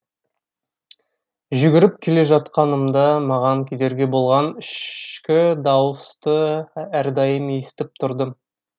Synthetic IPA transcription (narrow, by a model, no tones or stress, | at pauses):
ʒʏɡʲɪɾɪpkʲʰe̞le̞ʒɑt̪qɑnəmd̪ɑmɑʁɑŋkʲʰed̪e̞ɾɡʲe̞bo̞lˠʁɑnɪʃkʲɪd̪ɑwəst̪əæɾd̪ɑjəmest̪ɪp̚t̪ʰʊɾd̪ə